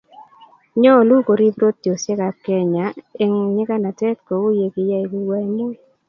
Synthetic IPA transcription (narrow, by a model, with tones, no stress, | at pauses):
ɲo˦˨lu˦ko˨ɾi˦bɾo˦ttjo˨sje˦ka˨p̚kɛ˦ɲa˨˦e˦ŋɲɪ˦ka˦na˨tɛ˦tko˨u˦je˨kɪ˨ja˦e˨ki˦wa˦i˦mʊ˦˨